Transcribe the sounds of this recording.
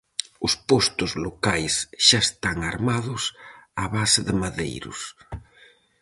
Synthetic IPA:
ʊspɔst̪ʊzlokajsʃaest̪aŋaɾmaðʊsaβasɪðɪmaðḛjɾʊ̰s

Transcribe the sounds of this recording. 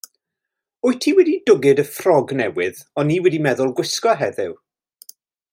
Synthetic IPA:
ʊɨtʰiwɛdidʊɡɨdəfrɔɡnɛwɪðɔniːwɛdimɛðʊlˠɡwɪskɔɦɛðɪw

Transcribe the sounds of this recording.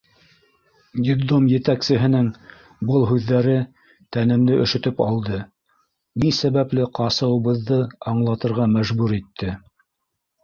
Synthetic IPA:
ɡʲid̪omjɘ̆t̪æksɘ̆ɦɘ̆nɘŋ | bɤlˠɦʉðːæɾɘ | t̪ænɘ̆md̪ɘʔɵ̆ʃɵ̆t̪ɵpɑlˠd̪ɤ | nisæβæplɘqɑsɤ̆wɤ̆βɤ̆ðːɤɑɴlˠɑt̪ɤ̆ɾʁɑmæʒbʉɾit̪ʰːɘ

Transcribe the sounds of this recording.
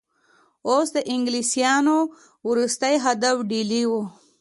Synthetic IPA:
osd̪əʔɪŋɡlisijɑno | wɾust̪əjɦad̪afɖiliwo

